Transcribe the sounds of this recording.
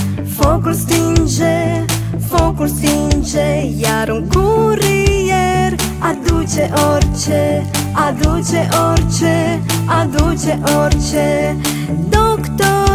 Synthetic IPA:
fɔkulst̪ind͡ʒɛ | fɔkulsind͡ʒɛjaɾuŋkuɾijɛɾ | ad̪ut͡ʃɛʔɔɾt͡ʃɛ | ad̪ut͡ʃɛʔɔɾt͡ʃɛ | ad̪ut͡ʃɛʔɔɾt͡ʃɛ | d̪ɔkt̪ɔ

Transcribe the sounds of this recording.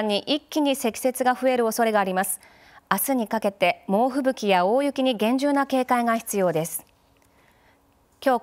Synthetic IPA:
ɲ̟ːiʔikʲːiɲ̟ise̞kʲi̥se̞t͡sɨɡaɸɯ̟e̞ɾɯ̟o̞so̞ɾe̞ɡaːɾʲimasɨ̥ | asɨɲ̟ikake̞t̪e̞mo̞ːɸɯ̟bɯ̟kʲijao̞ːjɯ̟kʲiɲ̟iɡẽ̞ɲ̟d͡ʑɨːnake̞ːkaiɡaçi̥t͡sɨjo̞ːd̪e̞sɨ̥ | kʲo̞ː

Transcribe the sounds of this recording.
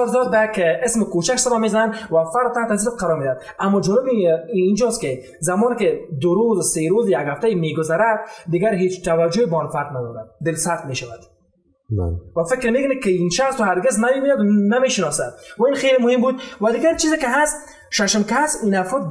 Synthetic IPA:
ɾzɔd̪̚bajkɪsmɪkot͡ʃaksabamezananwafaɾd̪̚t̪ːaht̪azisɪfqʰaɾɔɾmed̪ad̪ | amːɔd͡ʒɔnɪbːnd͡ʒɔskɪ | zamɔːnɪkɪd̪ʊɾozseɾozjaɡhaft̪aimeɡʊzaɾad̪̚d̪ɪɡaɾɦet͡ʃt̪awad͡ʒʊɪbɔnfaɾd̪nad̪ɔɾad̪̚d̪ɪlsat̪meʃawad̪̥ | ba̰wafɪkɾmekʊnɪkɪinʃaxst̪ʊhaɾɡɪznameɡujad̪nameʃɪnɔsad̪̚wainxejlɪmʊhɪmbud̪̚wad̪ɪɡaɾt͡ʃʰizɪkɪɦast̪ | ʃaʃɪmkasinafɾɔd̪

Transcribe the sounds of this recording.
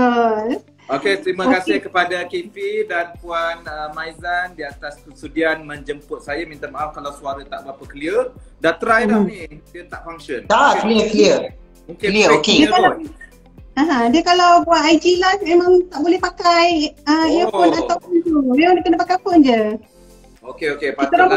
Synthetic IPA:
ə | oket̪ɾimakasɪhkəpadakepidanpuanəmajzandiat̪aspəsudianmə̃ɲd͡ʒəmpʊt̪̚sajamint̪amaʔakalawsuaɾat̪a̰ʔbapakəliədat̪ɾajlahnidiət̪aʔfaŋʃənd̪akliəkəliə | okliəokeəkaa | ãɦãdiəkalawbuat̪ajd͡ʒilahmemãŋt̪aʔbolɛhpakajəijəpʊnat̪awpʊnt̪uəandakənəpakajpʊnd͡ʒə | okeokepait̪əa

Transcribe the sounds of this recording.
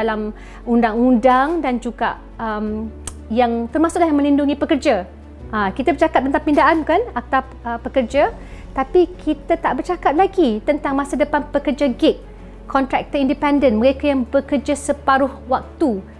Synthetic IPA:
alam | undaŋundaŋdand͡ʒuɡa̰ʔ | əm | jaŋt̪ərmasʊʔlajmə̃linduŋipəkərd͡ʒa | ʔəkit̪abərt͡ʃakat̪̚ːənt̪aŋpindaʔankanat̪aw | əpəkərd͡ʒa | t̪apikʰit̪at̪aʔbərt͡ʃakat̪̚laɡit̪ənt̪aŋmãsadəpanpəkərd͡ʒaɡɪt̪̚ | kʰɔnt̪ɾɛk̚t̪əindipɛndənməɾekajaŋbəkərd͡ʒasəpaɾʊhwak̚t̪u

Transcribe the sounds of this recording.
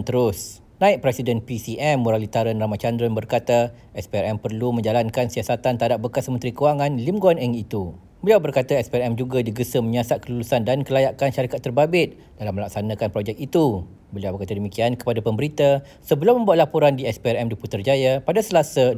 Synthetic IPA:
nt̪əɾʊs | nãɪʔ̚pɾɛsidənpisiʔɛmːuɾalit̪aɾanramat͡ʃandɾɔnbərkat̪a | ʔɛspiɛɾɛmpərlumə̃ɲd͡ʒalankansiasat̪ant̪aadap̚bəkasmənt̪ɾikəwaŋãnlimɡoanɛŋit̪u | bəliawbərkat̪aɛspiɛɾɛmd͡ʒuɡadiɡəsəmə̃ɲãsat̪̚kəlulusandankəlajaʔkanʃaɾikat̪ːərbabɪt̪̚ | d̥alamə̃lak̚sanãkanpɾɔd͡ʒɛk̚it̪u | bəliawbərkat̪adəmikiankə̥padapəmbəɾit̪a | səbəlumə̃mbuaʔ̪lapuɾandiɛspiɛrɛmduput̪ərd͡ʒajapadasəlasa

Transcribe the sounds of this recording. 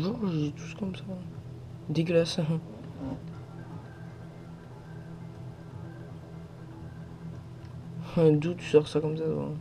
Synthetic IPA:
vɔʒt̪ʰu̥skɔmsã | d̪eɡlas | d̪ut̪y̥sɔʁsakɔmsat̪wa̰

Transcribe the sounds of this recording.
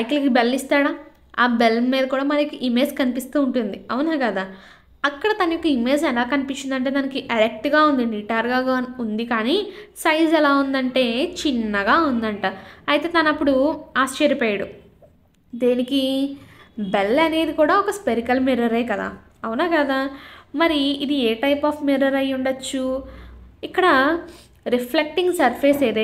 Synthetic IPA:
ɐjklɐkibelːist̪aːɽaː | aːbelːmiːd̪ɐkuːɽaːmɐnɐjkːɐʔimeːd͡ʒkɐnipist̪uːɳʈund̪iɐwunaːkɐd̪aː | ɐkːɐɽɐt̪ɐnɐjɔkːɐime̞ːd͡ʒɛlaːkɐnipit͡ʃːind̪ɐɳʈ̬eːt̪ɐnɐkiɖɐɾek̚ʈɡaːund̪iniʈaːɾɡaːɡaːund̪ikaːnisɐjd͡ʒɛlaːund̪ɐɳʈe̞ːt͡ʃinːɐɡaːund̪ɐɳʈaːɾɐjit̪e̞ːt̪ɐnɐpːuɽuaːst͡ʃɐɾipeːjɐɽu | d̪eːniki | belːɐne̞ːd̪ikuːɽaːɔkɐspeɾikɐlmiɾɐɾɐjkɐd̪a̰ː | ɐwnaːkɐd̪amɐɾiid̪ieːʈɐjpaːpʰmiɾɐɾɐjːuɳɖɐt͡ʃːu | ikːɐɽɐ | ɾipʰlek̚ʈiŋɡsɐɾpʰeːseɾe

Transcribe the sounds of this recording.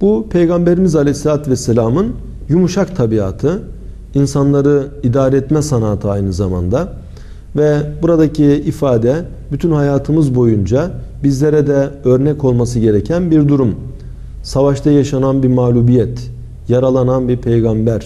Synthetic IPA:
bupʰe̞jɡambeɾimizalʲɛjslʲat̪vɛsːelʲaːmɯn | jumuʃakt̪ʰabiaːt̪ʰɯ | insanlˠaɾɯid̪aːɾɛɛt̪mɛsanaːt̪ʰɯajnɯzama̰nd̪a | vɛbuɾad̪acʰiːfaːd̪ɛ | byt̪ʰynhajaːt̪ʰɯmɯzbo̞jund͡ʒa | bizlʲeɾɛd̪ɛø̞ɾnɛco̞lˠmas̬ɯɟe̞ɾecʰænbiɾd̪uɾum | savaʃt̪ʰajaʃananbiɾmaːlʲuːbijɛt̪ | jaɾalˠananbiɾpʰe̞jɡambæɾ̥

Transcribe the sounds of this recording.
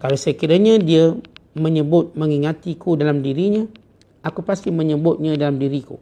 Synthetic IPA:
kalasəkiɾaɲãdiaməɲəbʊt̪̚məŋiŋat̪ikudalamdiɾiɲã | akupast̪ɪməɲəbʊt̪̚ɲãdalamdiɾikṵ

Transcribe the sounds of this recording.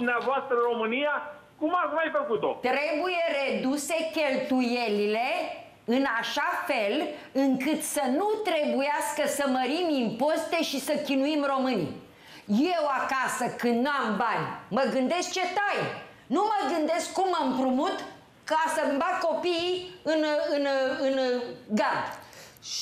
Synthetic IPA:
umneavoast̪ɾəɨɾo̞mɨnija | kumakumajfəkut̪o̞̰t̪ɾe̞buje̞re̞d̪use̞kʲe̞lt̪uje̞lile̞ | ɨnaʃafe̞l | ɨŋkɨt̪sənut̪ɾe̞bujaskəsəməɾimimpo̞st̪eʃisəkʲinuimro̞mɨnʲ | jewakasəkɨnd̪nuambanʲməɡɨnd̪e̞sk̚t͡ʃe̞t̪aj | numəɡɨnd̪e̞skkumːəmpɾumut̪ | kəasəɨmbat̪ko̞piiɨnɨnɨnɡad̪

